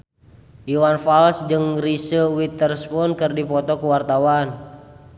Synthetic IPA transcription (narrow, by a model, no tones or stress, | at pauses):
ʔiwanfalsd͡ʒɨŋrisəwit̪ərspunkɨrdipɔt̪ɔkuwart̪awan